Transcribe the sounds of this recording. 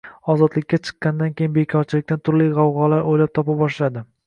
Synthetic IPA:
ɒzɒd̪lɪkʲːat͡ʃʰɨ̥qːɑnd̪ankʲejɪnbe̞kʲʰɒɾt͡ʃʰɪlɪk̚ʲt̪ant̪ʰʊɾlijʁɑwʁɒlaɾojlap̚t̪ʰɒpabɒʃlad̪ɪ

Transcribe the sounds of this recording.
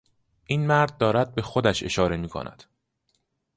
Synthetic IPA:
ʔiːnmæɾd̪̚ːɒːɾæd̪̚be̞xod̪æʃe̞̰ʃɒːɾe̞miːkʰo̰nʔæ̰d̪̥

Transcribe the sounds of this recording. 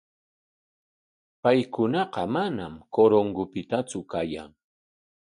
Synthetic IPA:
pajkʊnɑqɑmanamkoɾoŋɡʊpɪt̪at͡sʊkaja̰ŋ

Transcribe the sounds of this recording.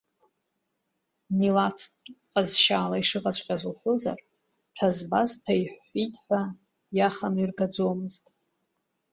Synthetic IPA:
milat͡sʰʼqʼazʃaːlaiʂɨʁʼat͡sʷʰqʲʼazuχʷoza̰r | ʈ͡ʂʷʰazbazpʰaiħitʼħʷᶣa | jaχanirɡad͡zomɨztʼ

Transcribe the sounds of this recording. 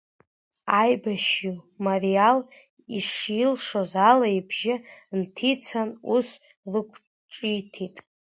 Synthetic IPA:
ajbaʃimarial | iʂilʂozalaibʒɪntʰit͡sʰanus | lɨkʷʰ | ʈ͡ʂʼitʰitʼ

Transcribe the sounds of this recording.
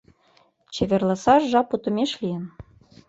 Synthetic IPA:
t͡ɕeβʲerlɑsɑʒʒɑput̪ɤ̆mʲeʃlʲijə̆n

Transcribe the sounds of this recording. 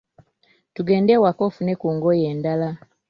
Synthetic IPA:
tuɡe̞ːndewakofune̞kuːŋɡoje̞ːndala

